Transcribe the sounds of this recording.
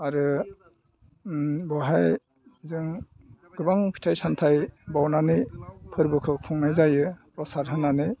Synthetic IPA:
aɾɯ | bɔɦaj | zɯŋ | ɡɯbaŋpʰi̥tʰajsantʰajbawnanɯjpʰɯɾbɯkʰɯkʰɔŋnajzajɯpɔsaɾɦɯnanɯj

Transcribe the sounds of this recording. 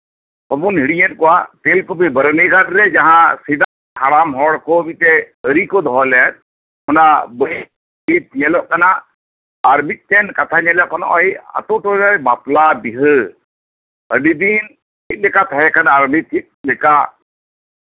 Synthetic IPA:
hɔbunɦiɽiɲɛt̚kɔwatelkobɯjbəɾnikadɾɛd͡ʒaɦãsid̪a | aɽamɦɔɽkɔmit̪ɛəɾikɔd̪ʱɔɦɔlɛat̪̚ | mɔnabəj | bit̪iɲɛlɔʔkanaː | ɾmit̪̚tɛnkat̪ʰaɲalɛʔkɔnɔ̰ʔɔja̰t̪ɔʈɔɔjbaplabiɦɯ | əɖid̪in | it̪̚lɛkat̪ʰaɦɛkʰanaaɾmit̚t̪ʰit̪̚lɛka

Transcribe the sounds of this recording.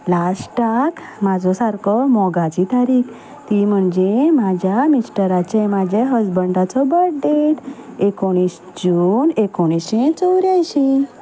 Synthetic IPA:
lasʈak | mad͡zʱɔsaɾkɔmɔɡat͡ɕit̪aɾiːk | t̪im̤əɳd͡zemad͡ʑʱjamisʈəɾat͡ɕemad͡ʑʱeɦəd͡zbəɳɖat͡sɔbəɽɖ̪eʈ̪ekoɽ̃is | d͡ʑunekoɽ̃iɕẽt͡sɔwɾajɕi

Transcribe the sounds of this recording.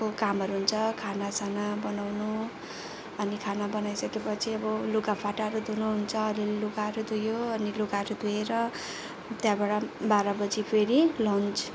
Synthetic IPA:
kokamʌɾuɦunt͡sʰʌkʰanasanabʌnawnu | ʌnikʰanabʌnajsʌkepʌt͡sʰiʌbʌlukapʰaʈaɾud̪unuɦunt͡sʰʌːɾilelukaɾud̪ujoʌnilukaɾud̪ueɾʌ | t̪jãbaɽabaɾʌbʌd͡zipʰeɾilʌnt͡sʰ

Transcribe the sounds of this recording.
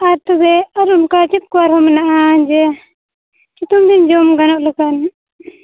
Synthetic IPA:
aɾt̪ɔbɛaɾunkat͡ʃit̪̚kɔaɾhɔmɛnaʔand͡ʒɛ | t͡ʃit̪umd̪ind͡ʒɔmɡanɔʔləkan

